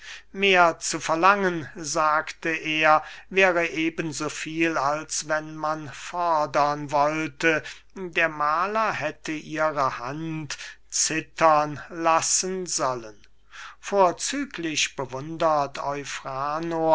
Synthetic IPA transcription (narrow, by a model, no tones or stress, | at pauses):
meːɐt͡sufɛɐlaŋənzaːktəʔeːɐvɛːʁəʔeːbənzoːfiːlalsvɛnmanfɔɐdɐnvɔltə | deːɐmaːlɐɦɛtʰəʔiːʁəhant | t͡sɪtʰɐnlasənzɔlən | foːɐt͡syːkʰlɪʃb̥əvʊndɐtʰɔʏfʁaːno